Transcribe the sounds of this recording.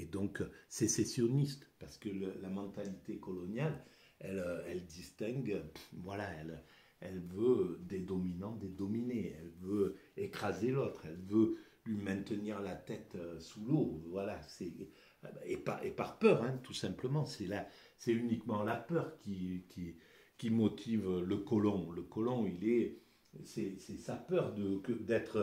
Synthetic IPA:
ed̪ɔ̃ksɛsesjɔnist̪paʁsə̥kəllamɑ̃t̪alit̪ekɔlɔnjal | ɛløɛld̪ist̪ɛ̃ɡøvwalaɛl | ɛlvød̪ed̪ɔminɑ̃d̪ed̪ɔmineɛ̰lvøekχazelot̪χɛlvø | lɥimɛ̃t̪əniʁlat̪ɛt̪øsulovwalasɛ | epa̰epaʁpœʁɛ̃t̪usɛ̃pləmɑ̃sɛla | sɛynikmɑ̃lapœʁkʲikʲi | kʲimɔt̪ʰivləkɔlɔ̃ləkɔlɔ̃ilɛ | sɛsɛsapœʁd̪əkəd̪ɛt̪χ

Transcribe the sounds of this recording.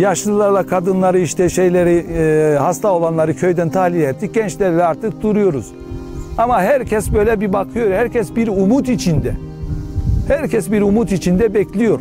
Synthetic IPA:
jaʃlˠɯlˠaɾlˠakʰad̪ɯnlˠaɾɯiʃt̪ʰɛʃe̞jlʲeɾihast̪ao̞lˠanlˠaɾɯcʰø̞jd̪ænt̪ʰahlʲilɛt̪ːic̚ɟɛnt͡ʃlʲɛɾilʲɛaɾt̪ʰɯk̚d̪uɾujo̞ɾuz̥ | amaɦæɾcʰɛsbø̞jlʲɛbibakʰɯjo̞ɾhæɾcʰɛsbiɾumut̪it͡ʃʰind̪ɛ | hæɾcʰɛsbiɾumut̪it͡ʃʰind̪ɛbɛclʲijo̞ɾ

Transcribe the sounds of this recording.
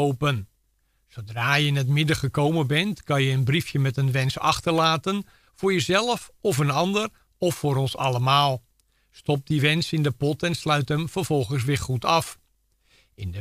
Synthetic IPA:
owpən | sowdraːjəɪnətmɪdəχəkowmənbɛntkɑnjəənbrifjəmɛtənʋɛnsɑ̰xtərlaːtən | fʊːɹjəzɛlˠəfɔfənɑndər | ɔfːʊːɾɔnsɑ̰ləmaːlˠ | stɔp̚diʋɛnsɪndəpɔtɛnslœɥtəmvərvɔlˠχəns̬ʋɪχutʰɑf | ɪndə

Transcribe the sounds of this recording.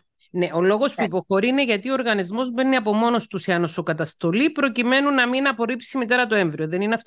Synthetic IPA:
ne̞ʔo̞lo̞ɣo̞spuipo̞xo̞ɾiine̞ʝɐt̪io̞ːɾɣɐnizmo̞zbe̞nːiɐpo̞mo̞no̞st̪usiɐnosokɐt̪ɐst̪o̞lipɾo̞cime̞nunɐminɐpo̞ɾipsimit̪e̞ɾɐt̪o̞e̞ɱvɾio̞ðe̞nineɐf

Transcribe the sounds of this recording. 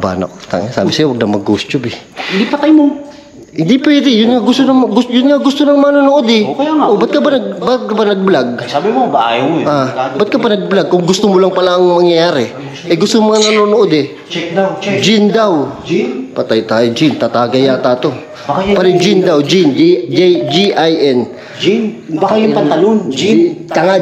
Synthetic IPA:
ba̰ːnɐ̰ʔt̪a̰ŋɪsa̰ːbɪsɐjowɐɡ̚d̪ɐmɐɡːust̪obɪhɪnd̪ipɐt̪ajmo | hɪnd̪ipwɛːd̪ɛjʊnŋaɡʊst̪onɐmɡʊjʊnŋaɡʊst̪onɐŋmɐŋanonoʔod̪ɪɐaʔobat̪̚kɐbanɐɡ̚bat̪̚kɐbanɐɡ̚blaɡ̚sabɪmobaajoʔaːbɐt̪̚kɐbanɐɡ̚blaɡ̚kʊŋɡʊst̪omolɐŋpɐlaɐŋmɐŋjɐjaːɾɛ | ʔɛɡʊst̪oŋmɐŋanɐnonoʔod̪ɛ | t͡ʃ̪̚wd͡ʒɪnd̪awd͡ʒpɐt̪ajt̪aːjod͡ʒɪnt̪at̪aːɡɐjat̪at̪o̞ | pɐɾɛd͡ʒɪnd̪awd͡ʒind͡ʒd͡ʒiʔajʔɛn | d͡ʒinbɐkajʊpɐt̪ɐlond͡ʒit̪ɐŋa

